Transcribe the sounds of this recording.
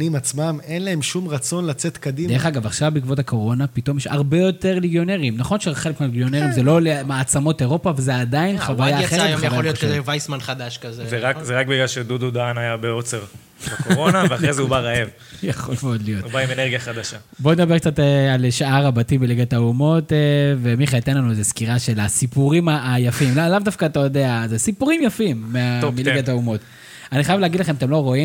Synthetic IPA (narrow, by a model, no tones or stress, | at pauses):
nimat͡smamenlae̞mʃumʁat͡so̞nlat͡set̪kad̪imdeχaɡavaχʃavbikvot̪ako̞ʁo̞napito̞mjeʃaʁbe̞jo̞te̞ʁliɡjo̞neʁiimnaχo̞nʃeχelekmeleɡjo̞neʁimzelo̞lemaːt͡samo̞teʁo̞pavazeadainχavajaχeaolijot̪kzevajsmanχad̪aʃkazezeʁakzeʁak̚biɡlalʃedudud̪aanajabeo̞t͡seʁ | bakoʁonaveaχʁezeubaʁaev | jaχolvollijotubaimeneʁɡijaχad̪aʃa | bo̞ned̪abek̚t͡satealʃaaʁabatibeliɡataumo̞tevemiχeit̪enlanuezeskiʁaʃelasipuʁimajafimlalavd̪afkaːt̪ajo̞d̪eazesipuʁimjafimːeamiliɡat̪aumo̞t̪ | aniχajavleaɡidlaχe̞matemlo̞ʁo̞im